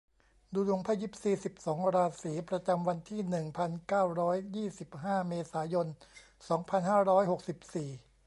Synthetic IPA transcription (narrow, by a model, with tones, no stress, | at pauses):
duː˧lu˧˩˦ŋpʰa˧ji˦˥p̚siː˨˩si˨˩p̚sɔː˩˦ŋɾaː˧siː˩˦pɾa˧t͡ɕa˧mwa˧nt̪ʰiː˥˩nɯ˨˩ŋpʰa˧nkaː˥˩wɾɔː˦˥jjiː˥˩si˨˩p̚ɦaː˥˩meː˧saː˩˦jo˧n | sɔː˩˦ŋpʰa˧nhaː˥˩ɾɔː˦˥jho˨˩k̚si˨˩p̚siː˨˩